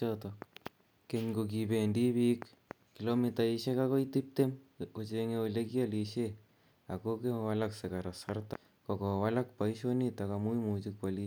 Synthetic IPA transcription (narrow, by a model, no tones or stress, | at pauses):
otok | keɲɡok̬ipendibikː | ilomitaiʃekakoitip̚t̪emkot͡ʃeŋeolekjaliʃe | akokewalaksekaɾasarta | kokowalak̚paiʃonitakamuimut͡ʃik̚pali